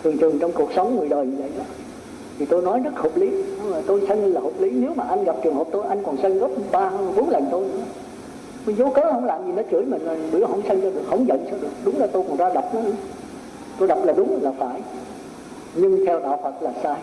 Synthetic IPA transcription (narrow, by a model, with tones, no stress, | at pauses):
t̪ʰɨ˨˩əŋt̪ʰɨ˨˩əŋt͡ɕɔ˧wŋ͡mku˨˩ək̚sə˨˦wŋ͡mŋɨ˨˩əjɗəː˨˩jɲɨ˧və̰˧˨jʔaː˧˩ | t̪ʰi˨˩t̪o˧jnɔ˨˦jzə˦˥k̚ho˨˩p̚li˨˦˨t̪o˧jsə˧ŋ̟˧laː˨˩ho˨˩p̚li˨˦ne˨˦wmaː˨˩ʔa˧jŋ̟ɣa˨˩p̚t͡ɕɨ˨˩əŋhɦo˨˩p̚t̪o˧jʔa˧jŋ̟kɔ˨˩nsə˧ŋɣɔ˦˥p̚ɓaː˧hə˧nɓo˨˦nlə˨˩nt̪o˧j | m˨˧˦zo˨˦kəː˨˦hə˧˥wŋ͡mlaː˨˩mzi˨˩nɔ˨˦t͡ɕɨ̰˧˩˥əjmi˨˩ŋ̟˨˩ɗɨ̰˧˥əhə̰˧˩˦ŋ͡msə˧ŋt͡ɕɔ˧ɗɨ˨˩ək̚hə˧˩wŋ͡mzə̰˧˨nsɨ˦˥k̚ɗɨ˨˩ək̚ɗʊ˨˦ŋ͡mlaː˨˩t̪o˧jkɔ˨˩nzaː˧ɗa˨˩p̚nɔ˨˦ɗʊ˨˦ | t̪o˧jɗə˨˩p̚laː˨˩ɗʊ˨˦ŋ͡mlaː˨˩faː˧˩j | ɲɨ˧ŋt̪ʰɛ˧wɗa̰ː˧˨wfə˨˩t̚laː˨˩saː˧